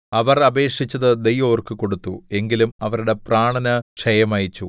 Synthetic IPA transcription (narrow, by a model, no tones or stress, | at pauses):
ɐʋɐrɐbe̞ːʂit͡ɕːɐðɨd̪ejʋoːrkɨko̞ɽut̪ːue̞ŋɡilumɐʋɐɾuɽe̞praːɳɐnɐʂɐjɐmaːjit͡ɕːu